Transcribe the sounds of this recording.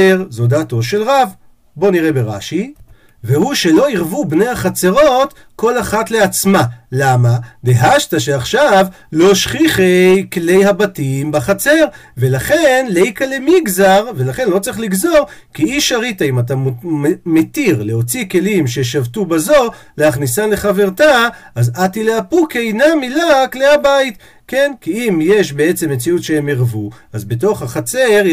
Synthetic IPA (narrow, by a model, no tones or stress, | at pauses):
eʁzodato̞ʃe̞lʁav | bo̞niʁebeʁa̰ʃi | vehuʃe̞lo̞iʁvubne̞jhaχat͡se̞ʁo̞t | ko̞laχatle̞at͡smalamad̪eɦaʃtaʃeaχʃav | lo̞ʃχiχejkle̞jhabatimbaχat͡se̞ʁ | ve̞laχe̞nlejkalemiɡzaʁve̞laχe̞nlo̞t͡saʁiχliɡzo̞ʁkiiʃaʁitaimatammetiʁleo̞t͡sike̞limʃe̞ʃavtubazo̞leaχnisale̞χave̞ʁtaʔazatileapukejnamilaklehabait | kenkiimjeʃbe̞et͡se̞mːet͡siutʃehemeʁvu | azbeto̞χhaχat͡seʁ